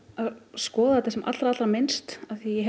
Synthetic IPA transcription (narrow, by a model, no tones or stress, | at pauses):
aðskɔːðat̪θɛsɛma̰t̪lɾaat̪ɾamɪnst̪aθijɛɦɛ